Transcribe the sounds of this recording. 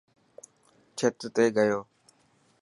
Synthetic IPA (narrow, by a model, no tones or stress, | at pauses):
t͡ʃʰɪt̪t̪eːɡəjoː